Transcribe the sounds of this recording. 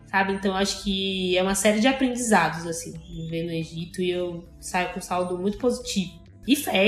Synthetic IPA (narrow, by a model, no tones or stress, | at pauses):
sabɪẽnt̪ɐ̃w̃ewaʃʊ̥kɪɛũmɐsɛɾɪd͡ʒɪapɾẽd͡ʒizad̪ʊzasĩvẽjnʊeʒit̪ʊiew | sajʊkõsawd̪ʊmũj̃t̪ʊpozit͡ʃivʊ | ɪfɛ